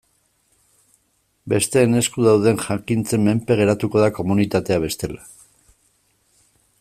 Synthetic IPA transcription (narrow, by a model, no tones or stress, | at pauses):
be̞st̪e̞ːne̞skuðawð̞e̞nʝaŋkint͡se̞mːe̞mpe̞ɣ̞e̞ɾat̪uko̞ðako̞munit̪at̪e̞aβ̞e̞st̪e̞la